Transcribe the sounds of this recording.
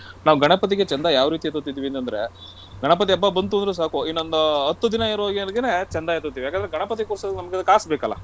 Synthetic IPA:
naːʋuɡɐɳɐpɐt̪̬iɡet͡ʃɛnd̪ɐjaːʋɾiːt̪iet̪ut̪̬ːid̪iʋient̪ɐnd̪ɐɾe̞̰ | ɡɐɳɐpɐt̪̬iɐbːɐbɐnt̪uonɾus̬aːkuinːond̪ɐɐt̪ːud̪inɐiɾaːɡiɐlɡenet͡ʃɛnd̪ɐjet̪ːut̪ːiːʋijaːkeɐnd̪ɾeɡɐɳɐpɐt̪̬ikuːɾsɐknɐmɐɡekaːsbeːkɐlːɐ̰

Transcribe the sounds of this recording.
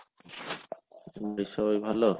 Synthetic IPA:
mɾiʃɔjbʱalo

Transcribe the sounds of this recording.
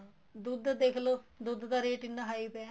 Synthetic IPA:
d̪ud̪d̪eːkʰloːd̪ud̪d̪aːɾeːʈɪnːaːɦaːipɛ

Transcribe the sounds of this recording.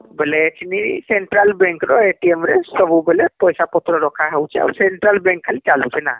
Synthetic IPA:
beleetʰiniseɳʈɾalbẽŋkɾɔeʈiemɾesəbubelepɔjsapɔt̪ɾɔɾɔkʰaɦewt͡ʃʰɛa̰wseɳʈɾalbẽŋkʰːalit͡ʃalũt͡ʃʰɛna̰

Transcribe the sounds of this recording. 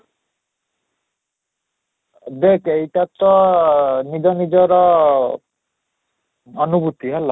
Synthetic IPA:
d̪ekejʈat̪ɔ | nid͡ʒɔnid͡ʒɔɾɔ | ɔnubut̪iɦɛla

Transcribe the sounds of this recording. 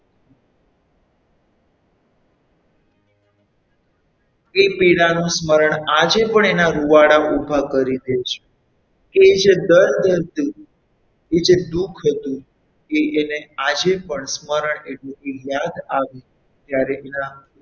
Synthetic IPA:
epiɽanũsməɾəɳad͡ʒepəɳenaɾuʋaɽaʔubʱakəɾid̪et͡ʃʰe̥ | keed͡ʒed̪əɾd̪əɾt̪ũ | ed͡ʒed̪ukʰɦət̪ũ | eʔːnead͡ʒepəɳsməɾəɳeʈlet̪ijad̪aʋe | t̪jaɾeʔena

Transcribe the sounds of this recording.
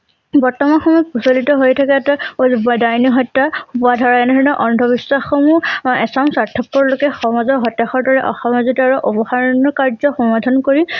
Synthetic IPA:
bɔɹtɔmanxɔmɔjpusolitɔɦojtʰakɛtaobdajniɦɔjtːaxupadʱɔɹaɛnɛdʱɔɹinɔʔɔndʱɔbiswaxomuɛsamsaɹtʰːɔpːɔɹlokɛxɔmazɔɦɔtaxɔɹdɔɹɛʔɔxamazitɔaɹuʔɔpɔxaɹnɔkaɹzɔxɔmadʱankoɹi

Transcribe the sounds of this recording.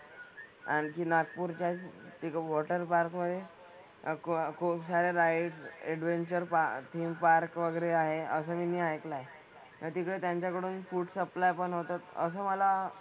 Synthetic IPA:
a̰ñikiːnakpuːɾt͡ɕat̪ikʋɔʈəɾpaɾkməd̪ʱːje | kkʰuːpsaɾeɾajʈseɽʋeɲt͡ɕəɾpat̪ʰiːmpaɾkʋəɡəɾeaɦeəsəːminiːɦajklae | at̪iːkɭet̪jaɲt͡ɕjakəɽuːnfuːʈsəplajpəɳɦot̪at̪ə̰s̬əːməla

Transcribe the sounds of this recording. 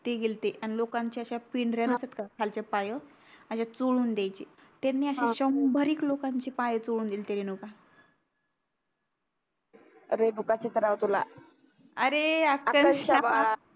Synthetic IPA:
t̪eɡelt̪eʔañilokãɲt͡ɕeəɕapiɳɾanəsət̪kakʰalt͡ɕapajə | əɕat͡soɭuːnd̪jajt͡ɕe | t̪anːiːəɕãɕəmbʱəɾiːklokaɲt͡ɕepajət͡soɭuːnd̪ilt̪eɾenuka | ɾenukat͡ɕet̪əɾawt̪ula | əɾeakaəəɕa

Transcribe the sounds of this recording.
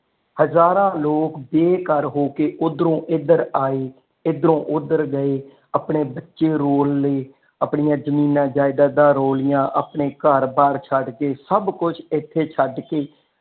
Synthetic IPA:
həzaːɾãːloːkbeːkəɾɦoːkeːʔʊd̪ɾõːʔɪd̪əɾaːeː | ɪd̪əɾõːʔʊd̪əɾɡəeː | əpɳeːbətːʃeːɾoːlːeː | əpɳijãːd͡ʒəmiːnãːd͡ʒaːɪd̪ãːd̪ãːɾoːlɪjãːʔəpɳeːkəɾbaːɾt͡ʃʰəɖkeːsəbkʊt͡ʃʰɪt̪ʰːeːt͡ʃʰəɖkeː

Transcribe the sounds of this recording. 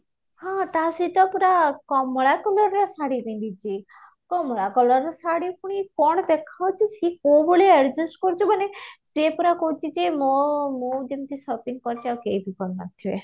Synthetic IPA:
hãt̪asit̪ɔpuɾakɔmɔɭakɔlɔɾːɔsaɽibĩnd̪it͡ʃʰi | kɔmɔɭakɔlɔɾɔsaɽipuɽ̃ikɔɽ̃ɔd̪ekʰawt͡ʃʰisikoboɭeeɾd͡ʒusʈkɔɾt͡ʃʰubanesepuɾakɔɦũt͡ʃʰid͡ʒemɔmod̪emt̪isɔpiŋpɔɾt͡ʃʰiawkejbʱikɔnna̰t̪ʰie

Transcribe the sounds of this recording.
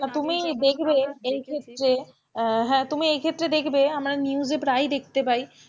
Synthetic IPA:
at̪umid̪ekʰbeejkʰet̪ːɾe | ɦɛ̃ːt̪umiejkʰet̪ːɾed̪ekʰbeamɾaniuzepɾajd̪ek̚ʰt̪epaj

